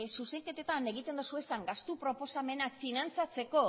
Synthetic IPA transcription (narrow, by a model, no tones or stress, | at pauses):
suse̞ŋke̞t̪e̞t̪ane̞ɣ̞it̪e̞nd̪osue̞saŋɡast̪upɾo̞po̞same̞nakfinant͡sat͡se̞ko̞